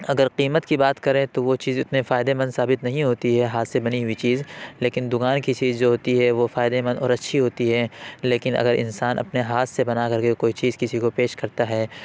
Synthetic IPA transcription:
ɐɡəɾqiːmət̪kibaːt̪kɐɾẽt̪oʋot͡ʃiːzʊt̪nefaːɪd̪emɐ̃nd̪saːbɪt̪nɐɦĩɦoːt̪iɦɛɦaːt̪sebɐniɦʊit͡ʃiːzleːkɪnd̪ʊkaːnkit͡ʃiːzd͡ʒoːɦoːt̪iɦɛʋofaːɪd̪emɐ̃nd̪ɔ̰ːɾɐtːʃʰiɦoːt̪iɦɛːleːkɪnɐ̰ɡəɾʔɪ̰̃nsaːnʔɐ̰pneɦaːt̪sebɐnakɐɾkekoːit͡ʃiːzkɪsikopeːʃkɐɾt̪aɦɛː

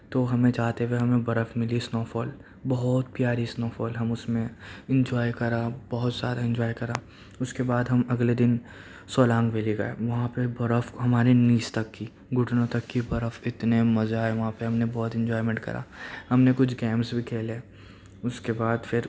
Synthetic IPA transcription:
t̪oɦɐmẽd͡ʒaːt̪eʋeɦɐmẽbɐɾəfmɪlisnoːfɔːl | bɐɦɔt̪̚pjaːɾisnoːfɔːlɦɐmʊsmẽɪ̃ɲd͡ʒɔːikɐɾabɐɦʊt̪z̥jaːd̪aɪ̃ɲd͡ʒɔːjkɐɾaː | ʊskebaːd̪ɦɐmɐɡled̪ɪn | sɔːlãːŋɡʋeːliɡɐ̰ḛʋɐɦãpebɐɾəfɦɐmaːɾiniːst̪ɐkːi | ɡʱʊʈnõt̪ɐkːibɐɾəfɪt̪nemɐzaɦɛʋɐɦãpeɦɐmnebɔːt̪ɪ̃ɲd͡ʒɔːɪmẽːɳʈ̚kɐ̰ɾʔa̰ːhɐmnekʊt͡ʃʰɡɛ̃ːmsbʱikʰeːle | ʊskebaːd̪fɪɾ

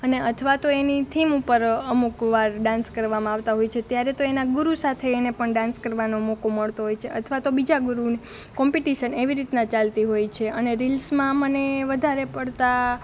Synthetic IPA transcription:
əneət̪ʰʋat̪oenit̪ʰimupəɾəmukʋaɾɖãnskəɾʋamãaʋt̪aɦojt͡ʃʰet̪jaɾet̪oenaɡuɾusat̪ʰeːnepəɳɖãnskəɾʋanomokoməɭt̪oɦojt͡ʃʰeət̪ʰʋat̪obid͡ʒaɡuɾuni | kɔmpiʈiʃəneʋiɾit̪nãt͡ʃalt̪iɦojt͡ʃʰeəneɾilsmãməneʋəd̪ʱaɾepəɽt̪a

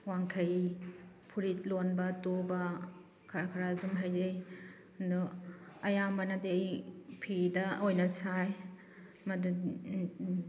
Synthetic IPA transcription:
waŋkʰɐj | pʰuɾit̚lonbɐtobɐ | kʰaɾakʰaɾadumɦajzej | nduɐjambɐnadejpʰidɐojnɐsaj | mɐdu

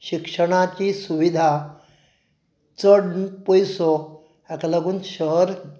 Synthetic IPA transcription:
ɕikʂəɽ̃at͡ɕiːsuʋid̪ʱa | t͡səɽnpɔjsɔ | ɛkalaɡʱuːnɕəɾ

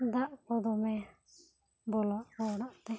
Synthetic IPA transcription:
d̪aʔpɔd̪ɔmɛ | bɔlaʔɔɽaʔt̪ɛ

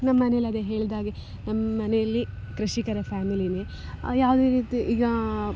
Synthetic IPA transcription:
nɐmːɐmɐnejɐlːɐd̪eɦe̞ːɭd̪aːɡe | nɐmːɐmɐnɛjɐlːi | kɾɐʃikɐɾɐpʰaːmiline | jaːʋud̪eɾiːt̪iʔiːɡɐ

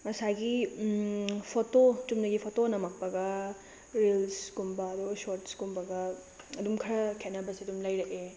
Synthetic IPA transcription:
mɐsaɡi | pʰototumdɐɡipʰotonɐmɐk̚pɐɡɐ | ɾelsɡumbɐːd̪uɡsoɾtsɡumbɐɡɐ | ɐdumkʰɐɾɐkʰenɐbɐsiɐdumlɐjɾɐʔe

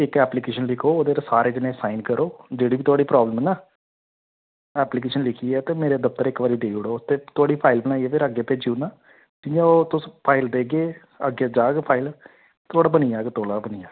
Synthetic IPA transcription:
ɪkɛːplikeːʃənlɪkʰoːoːd̪eːɾsaːɾeːd͡ʒɪnẽːsaːɪnkəɾoːd͡ʒeːɽiːbiːt̪ʰoaːɽiːpɾaːbləmnaː | ɛːpliːkeːʃənlɪkʰiɛːt̪eːmeːɾed̪əp̚t̪əɾɪkʋaːɾiːd̪eːʊɽoːt̪eːt̪ʊaːɽiːpʰaːɪlbənaːiɛːpʰɪɾəɡeːpeːd͡ʒjuːnaː | t̪ɪjãoːt̪ʊspʰaːɪld̪eːɡeː | əɡeːd͡ʒaːɡpʰaːɪl | t̪ʰoːɽaːbənijaːɡt̪oːɽaːbəniːjaː

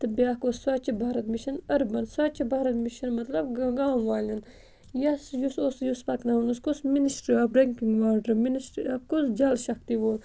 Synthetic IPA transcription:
t̪ɨbʲjaːkossat͡ʃʰibʱaːɾɐt̪miʃɐnɐɾbɐnsat͡ʃibaːɾɐt̪miʃɐnmɐt̪lɐbɡɡaːnʋaːlʲin | jɐsjusosjuspɐknɐunuskusminisʈɾiɐbɾeŋkiŋɡʋaːɾɖəɾminisʈɾḭɐb̚kusd͡ʒɐlʃɐkt̪iʋoːl

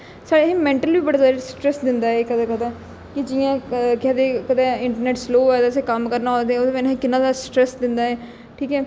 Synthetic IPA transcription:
saːɽeɦemɛ̃ːɳʈəlbiːbəɽaːzaːɾesʈɾɛsd̪ɪnd̪aːɦɛːkəd̪ːkəd̪ãː | kɪd͡ʒɪjãːkaːd̪eːkəd̪ɛ̃ːɪɳʈəɾneːʈsloːɛd̪asekəmkəɾnaːod̪eɛːoːd̪ẽmɛnːĩkɪnãːd̪aːsʈɾɛsd̪ɪnd̪aːɛː | ʈʰiːkɛː

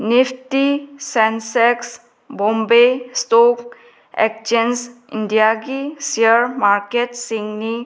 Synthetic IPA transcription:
niptisɛnseks | bɔ̃mbesʈok | ḛk̚t͡ʃensḭnɖijaɡisiəɾmaɾkeʈsiŋɡni

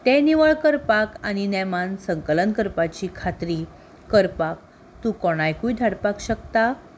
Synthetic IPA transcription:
t̪eniʋəɭkəɾpakañinɛmansəŋkələnkəɾpat͡ɕiːkʰat̪ɾi | kəɾpak̚ | t̪ukɔɽ̃ajkujd̪ʱaɽpakɕəkt̪a

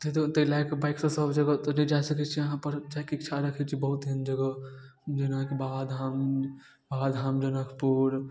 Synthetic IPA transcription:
t̪et̪ot̪əilakebajksɔ̃səbd͡ʒəɡɔt̪ɔnid͡ʒasəkɛt͡ʃʰiəɦãpəɾd͡ʒakeikt͡ʃʰaɾəkʰɛt͡ʃʰibəɦut̪ɦənd͡ʒəɡɔ | d͡ʒənãkebaad̪ʱam | baad̪ʱɦamd͡ʒənəkʰpuɾ

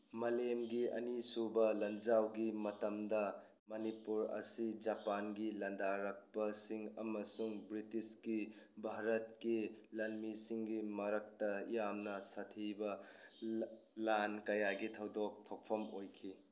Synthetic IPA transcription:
mɐlemɡiɐ̰nisubɐlɐnd͡ʒawɡimɐtɐmdɐ | mɐnipuɾɐ̰sid͡ʒapanɡilɐndaɾɐk̚pɐsiŋɐmɐsuŋbɾitiskibʱaɾɐtkilɐnmisiŋɡimɐɾɐk̚tɐjamnɐsɐtʰibɐ | lankɐjaɡit̪ʰɐwdok̚t̪ʰok̚pʰɐmojkʰi

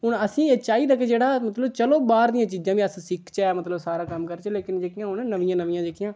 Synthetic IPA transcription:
ɦʊnəsĩːeːt͡ʃaːiːɾəkːeːd͡ʒeːɽaːmət̪ləbt͡ʃəloːbaːɾd̪ijãːt͡ʃiːzãːʋĩəssɪkʰt͡ʃɛmət̪ləbsaːɾaːkəmkəɾt͡ʃleːkɪnd͡ʒekɪjãːɦʊnnəʋɪjãːnəʋɪjãːd͡ʒɪkʰːɪjãː

